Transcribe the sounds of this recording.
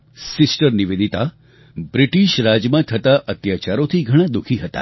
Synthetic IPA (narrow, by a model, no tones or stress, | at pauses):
sisʈəɾniʋed̪it̪a | bɾiʈiʃɾad͡ʒjmãt̪ʰət̪aʔət̪jat͡ʃaɾot̪ʰiɡʱəɽ̃ãd̪ukʰiɦət̪a̰